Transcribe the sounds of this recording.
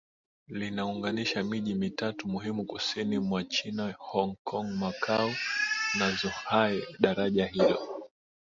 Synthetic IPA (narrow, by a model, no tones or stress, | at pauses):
linauŋɡaniʃamiʄimitatumuɦimukusinimwat͡ʃinahɔŋkʰɔŋmakʰaunazuhaɛɗaɾaʄaɦilɔ